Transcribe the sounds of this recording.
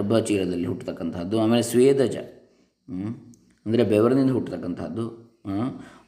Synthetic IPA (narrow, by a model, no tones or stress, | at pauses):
ɐbʱɐt͡ʃiːlɐd̪ɐlːiɦuʈːt̪ɐkːɐnt̪ʰaːd̪ːuaːmeːlesʋeːd̪ɐd͡ʒɐ̰ | ɐnd̪ɐɾebeʋɐɾɐnind̪ɐɦuʈːt̪ɐkːɐnt̪ʰɐːd̪ːu | ɦ